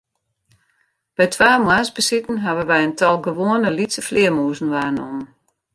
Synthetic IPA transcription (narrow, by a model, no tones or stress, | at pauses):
b̥ɛjtʰʋaːmwasbəsitn̩ɦaʋəʋɛjəntʰɔlˠɡəʋoənəlitsəflɪəmuːzn̩ʋaːnɔmən